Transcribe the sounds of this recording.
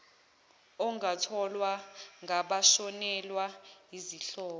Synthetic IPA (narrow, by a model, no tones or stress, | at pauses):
ɔŋatʰɔlwaŋɡaɓaʃɔnɛlwaiziɬɔːɔ